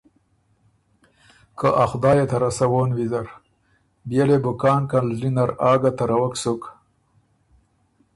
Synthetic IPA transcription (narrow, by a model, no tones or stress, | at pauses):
kəʔaxd̪ɑːjet̪ɐɾasawoːnwizɐɾ | bjelebukɑːnkanlinaɾɑːɡat̪aɾawaksuk